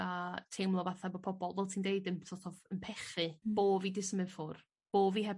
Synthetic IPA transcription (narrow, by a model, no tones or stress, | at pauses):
atʰejmlˠɔvaθabɔpʰɔbɔlˠvɛlˠtʰiːndeɨdənsɔtʰɔvənpʰɛχɨb̥oːvidɪsmɨvfʊr | b̥oːviːɦɛ